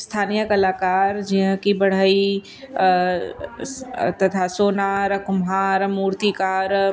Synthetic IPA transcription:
st̪ʰaːnijəkɐlaːkaːɾd͡ʒiɦə̃kibɐɽ̤ai | t̪ɐt̪ʰasoːnaːɾkʊmɦaːɾmuːɾt̪ikaːɾ

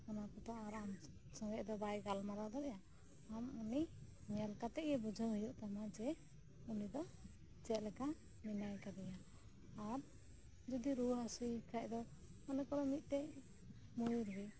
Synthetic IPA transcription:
ɔnapɔt̪ɔaɾam | sɔ̃ŋɡɛʔd̪ɔbajɡalmaɾad̪ɔɾɛja | amuni | ɲalkat̪ɛʔjɛbud͡ʒʱaɦujuʔt̪amad͡ʒɛ | unid̪ɔ | t͡ʃɛt̪̚lɛka | minajkad̪ɛjaː | ɾ | d͡ʒɔd̪iɾuɦasujkʰaʔd̪ɔɔnɛkɔɾɔmit̪̚ˀt̪ɛʔ | mujuɾbɛ

